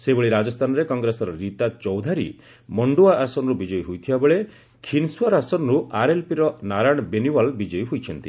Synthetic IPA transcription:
sebeɭiɾad͡ʒɔst̪ʰanɔɾekɔŋɡɾesɔɾɔɾit̪at͡ʃɔwd̪ʱaɾḭ | mɔɳɖuaʔasɔnɔɾubid͡ʒɔjɔɦujt̪ʰibabeɭe | kʰinswaɾasɔnɾuaɾelpiɾɔnaɾaɽ̃ɔbeniwalbid͡ʒɔjɦujt͡ʃʰɔnt̪i

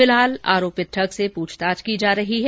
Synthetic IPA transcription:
ɪlɦaːla̰ːɾoːpɪt̪ʈʰəksepuːt͡ʃʰt̪aːd͡ʒkid͡ʒaːɾɐɦiɦɛ

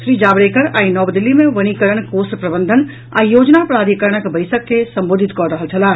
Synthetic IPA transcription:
ʃɾiːd͡ʒaːbɾeːkəɾaːinɔːbd̪ilːimẽʋəɽ̃ikəɾəɽ̃koːspɾɐbənd̪ʱən | a̰ːijoːd͡ʒnapɾaːd̪ʱikəɾəɽ̃əkbɐɪsəkːesɐ̃mboːd̪ʱit̪kɔɾəɦəlt͡ʃʰɐlaː

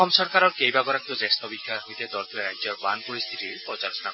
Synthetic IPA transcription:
ɔmsɔɾkaɾɔɾkejbaɡɔɾak̚iozest̪ɔbikʰaɦojt̪ed̪ɔɾt̪ʰiɾajd͡ʒɔɾba̰npoɾist̪ʰitiɾpɾɔt͡ʃaɾɔsɔna

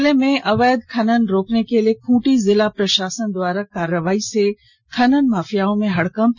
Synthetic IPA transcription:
lemẽʔɐʋəːd̪kʰɐnənɪ̆ɾoːknekeliekʰũːʈizɪlapɾɐʃaːsənd̪ʊwaːɾakaːɾəʋaːise | kʰɐnənɪ̆maːfijaːõmẽɦɐɽkəm

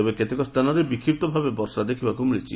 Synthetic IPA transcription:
ebeket̪ekɔst̪ʰanɔɾebikʰːip̚t̪ɔbʱabebɔɾsad̪ekʰibakumiɭit͡ʃʰḭ

